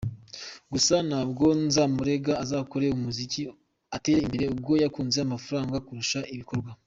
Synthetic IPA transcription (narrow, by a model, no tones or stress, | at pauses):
ɡusanaːbɡo̞nzamuɾe̞ɡaːzaːkoɾe̞umuzici | ate̞ːɾeimbe̞ɾe̞ub̚ɡo̞jakuːnzeamafuɾaːŋɡakuɾuʃaʔiβiko̞ɾɡwa